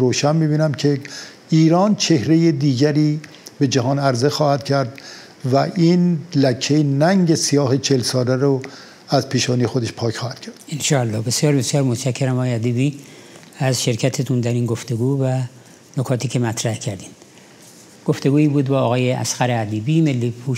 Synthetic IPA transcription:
ɾoːʃænmiːbiːnæmcʰe | iːɾɒːnt͡ʃʰe̞hɾejed̪iːɟæɾiː | be̞d͡ʒæɦɒːnæɾzexɒːhæd̪̥cʰæɾd̪ | væʔinlækʰːejenæŋɟesijɒːɦet͡ʃʰelsɒːlæɾo | æzpʰiːʃɒːnijxod̪eʃpʰɒːkxɒːhæd̪̚cʰæɾd̪̥enʃɒːælːɒːhbe̞sijɒːɾbe̞sjɒːɾmot̪ʃækʰːeɾæmɒːjeæd̪ibiː | æzʃe̞ɾcʰæt̪ʰet̪ʰund̪æɾiːnɡo̞ft̪e̞ɡuːvæ | nokʰɒːt̪ʰiːkʰʲemæt̪ʰɾæhcʰæɾd̪iːnd̪ | ɡ̥o̞ft̪eɡuːiːbuːd̪bɒːɣɒːjeʔæ̰sxæɾeæd̪iːbimelːipʰuʃ

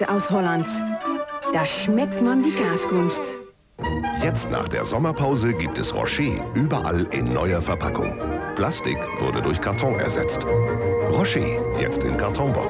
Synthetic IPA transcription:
əʔaʊshɔlant | d̥aːʃmɛk̚tmandiːɡaːsɡʊnst | jɛt͡stna̰ːχd̥ḛːɐzɔmɐpʰaʊzəɡiːp̚tɛsʁɔ̰ʃeːʔyːbɐʔa̰lɪ̰nːɔ̰ʏɐfɛɐpʰakʊ̰ŋpʰl̥astɪkv̥ʊɐdədʊɐçkʰaɐtʰɔ̃ŋʔɛ̰ɐzɛ̰t͡stʁɔʃeːjɛ̰t͡stɪ̰nkʰaɐtʰɔ̃ŋbɔ̰

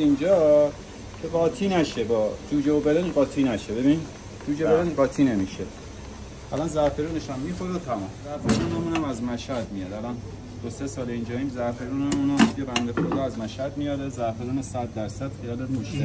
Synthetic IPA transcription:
ind͡ʒɒː | cʰebɒːt̪ʰinæʃebɒːd͡ʒuːd͡ʒeobelenɢɒːt̪ʰiːnæʃebe̞bi | d͡ʒuːd͡ʒebelenɢɒːt̪ʰiːnemiʃe | ælɒnzæɾfeɾuːneʃæmːixoɾot̪ʰæmɔmzæɾfeɾuːnemuːnæmæzmæʃhæd̪mijɒːd̪ælɒn | d̪̥osesɒːleind͡ʒɒːiːmzæɾfeɾuːnæmuːnmd̪ijebænd̪exoɾd̪ɒːæzmæʃhæd̪mijɒːɾezæɾfeɾuːnesæd̪ːæɾsæd̪̥xijɒːlemuʃe

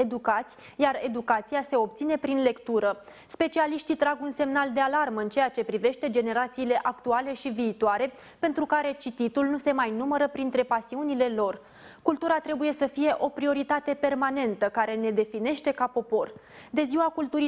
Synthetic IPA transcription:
ed̪ukat̪sʲ | jare̞d̪ukat̪sijase̞o̞p̚t̪sine̞pɾinle̞kt̪uɾə | spe̞t͡ʃialiʃt̪it̪ɾaɡunse̞mnald̪e̞alarmɨnt͡ʃe̞jat͡ʃe̞pɾive̞ʃt̪e̞d͡ʒe̞ne̞ɾat̪siːle̞ʔakt̪uale̞ʃiviːt̪oaɾe̞ | pe̞nt̪ɾukaɾe̞t͡ʃit̪it̪ulnuse̞majnuməɾəpɾint̪ɾe̞pasiunile̞lo̞r | kult̪uɾat̪ɾe̞buje̞səfije̞ʔo̞pɾio̞ɾit̪at̪e̞pe̞rmane̞nt̪əkaɾe̞ne̞d̪e̞fine̞ʃt̪e̞kapo̞po̞r | d̪e̞ziwakult̪uɾi

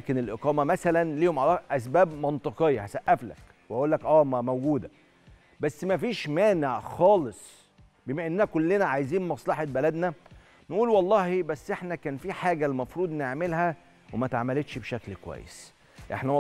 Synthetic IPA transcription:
kenelʔeqɑːmæmæsælænliːhomʕalæːʔæsbæːbmɑnt̪ˤeqejːɑhæsæʔːæflæ̰k | wehæʔuːlːækʔæːmæmæwɡuːd̪æ | bæsːmæfiːʃmæːneʕxɑːlesˤ | bemæʔenːænækolːenæʕajziːnmɑsˤlɑħɑt̪̚bælæd̪næ | nʔuːlwɑlˤːɑːhibæsːʔeħnækæːnfiːħaːɡælːmɑfɾuːd̪neʕmelhæ | wemæt̪ʕamælet̪ʃbeʃæklkowæ̰jːḛs | ʔḛħnæ

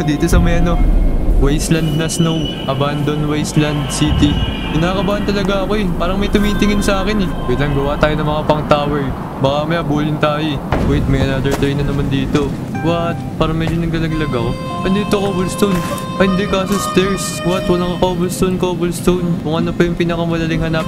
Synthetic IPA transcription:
d̪iːt̪o̞sɐmɐjʔɐno̞wɛjslɐnd̪̚nɐsnow | ʔɐband̪o̞nwɛjsland̪̚siːt̪i | kɪnaːkɐbaːɐnt̪ɐlɐɡaɐko̞ɛpaːɾɐŋmɐjt̪ʊmiːt̪ɪŋɪnsɐʔaːkɪnɛbɛlɐŋɡɐwaːt̪aːjonɐŋmɐŋapɐŋt̪aːwɛɹ | bɐkamɐjabuːlɪnt̪aːjoɛbuːɪt̪̚mɐjɐnaːd̪ɛɹt̪ɾɛjnɐnɐmand̪iːt̪o̞ | wɐt̪̚paːɾɐŋmɛd͡ʒonɐɡ̚lɐlɐɡlɐɡa | ɡɐnd̪iːt̪okobʊlst̪own | ʔɐɪnd̪ɪkaːsost̪ɛɹs | wɐt̪wɐlaŋɐkoobʊlst̪onkobʊlst̪ownkʊŋʔɐnopɐjʊŋpiːnɐkɐmɐlɐlɪŋhɐnap̚

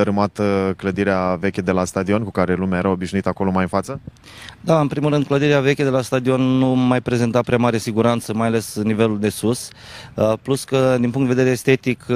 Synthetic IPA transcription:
əɾɨmat̪əkləd̪iɾeave̞kʲed̪e̞last̪ad̪io̞nkukaɾe̞lumeaje̞ɾao̞biʃnuit̪ako̞lo̞majɨnfat̪sə | d̪aɨnpɾimulɾɨnd̪̚kləd̪iɾeave̞kʲed̪e̞last̪ad̪io̞nːumajpɾe̞ze̞nt̪apɾeamaɾesiɡuɾant̪səmajale̞snive̞luld̪e̞sus | pluskəd̪inpuŋk̪d̪eved̪eɾeːst̪e̞t̪ik

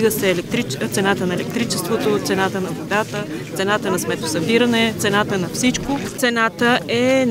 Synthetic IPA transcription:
ɡəsɛːlɛt̪ɾit̪sɛnat̪ənɐɛlɛk̚t̪ɾit͡ʃɛst̪vot̪ot̪sɛnat̪ənɐvod̪at̪ət̪sɛnat̪ənɐsmɛt̪o̥sɐbiɾənɛt̪sɛnat̪ənɐfsit͡ʃkot̪sɛnat̪əʔɛn

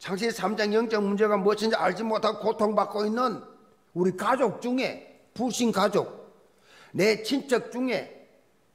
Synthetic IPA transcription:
t͡ɕʰaŋɕ̬ʰisʰamd͡ʑaŋjʌŋt͡ɕ͈ʌŋmund͡ʑe̞ɣamʌɕʰind͡ʑiaɭd͡ʑimotʰaɡokotʰoŋbak͈oinːɯn | uɾikad͡ʑok̚t͡ɕuŋe̞̰ | puɕʰinkad͡ʑok̚ | net͡ɕʰint͡ɕʰʌk̚t͡ɕ͈uŋe̞

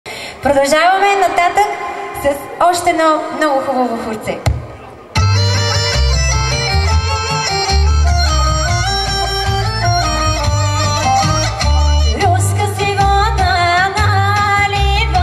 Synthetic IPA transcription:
pɾod̪ɐlˠʒavɐmɛnɐt̪at̪əksɐsɔʃt̪ɛnɔmnɔɡʊxubəvoxʊɾt̪sɛ | lʲuskəsivɔnənəlib

